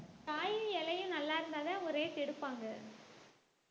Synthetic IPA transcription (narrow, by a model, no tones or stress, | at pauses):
t̪aːjɯ̃ɛlɐjɯ̃nɐlːaːɪɾɯnd̪aːðeʊɾeːt̪ɪɽɯpːaːŋɡɐ